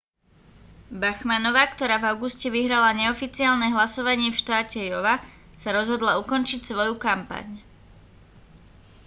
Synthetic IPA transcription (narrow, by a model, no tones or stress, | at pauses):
baxmanɔʋaːkt̪ɔɾaːvaʊɡuscɛʋiɦɾalaɲɛɔfit͡siaːlnɛɦlasɔʋaɲɪɛfʃt̪aːcɛjɔʋa | saɾɔzɦɔd̪laukɔnt͡ʃicsʋɔjukampa̰ɲ